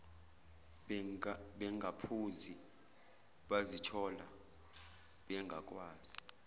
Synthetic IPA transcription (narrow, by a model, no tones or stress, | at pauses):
ɓɛŋɡʱapʰuzi | ɓazitʰɔla̰ | ɓɛŋɡʱakʼwaːz̥i̥